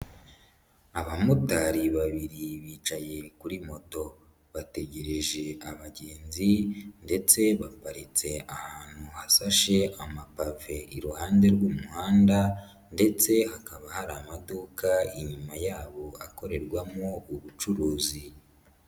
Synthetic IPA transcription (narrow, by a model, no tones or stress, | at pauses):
aβamutaɾiβaβiɾiβiːt͡ʃaje̞kuɾimo̞to̞ | βate̞ɟe̞ɾe̞ʒe̞aβaɟe̞ːnzinde̞t͡se̞βapaɾit͡se̞ahaːn̥huhasaʃe̞ʔamapave̞iɾuhaːnde̞ɾɡuːmuhaːnda | nde̞t͡se̞hakaβahaɾamaduːkaiɲumajaːβo̞ako̞ɾe̞ɾɡwamouβut͡ʃuɾuːzi